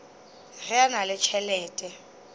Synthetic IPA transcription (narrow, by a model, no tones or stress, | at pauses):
rɪanalɪt͡ʃʰɛlɛːtʼɛ